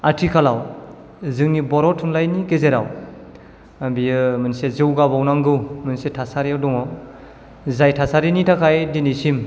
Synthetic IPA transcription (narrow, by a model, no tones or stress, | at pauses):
atʰikʰalaw | zɯŋnibɔɾɔtʰunlajnikezeɾaw | bijɯmɯnsezɯwɡabawnaŋɡɯwmɯnsetʰasaɾiawdɔŋɔ | zajtʰasaɾinitʰakʰajdinisim